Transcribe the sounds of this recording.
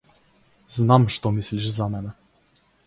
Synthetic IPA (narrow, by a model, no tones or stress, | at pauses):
znamʂt̪omislʲiʂzamɛnə